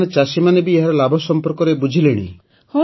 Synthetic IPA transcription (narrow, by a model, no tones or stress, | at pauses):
net͡ʃasimanebieɦaɾɔlabʱɔsɔmpɔɾkɔɾebud͡ʒʱileɽ̃ḭ | hɔ